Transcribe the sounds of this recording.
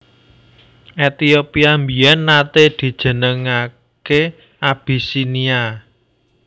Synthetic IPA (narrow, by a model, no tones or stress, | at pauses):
ʔet̪iopiambiɛnːat̪ed̪̥i̤d̥ʒ̥ə̤nəŋa | ke | ab̥i̤sinia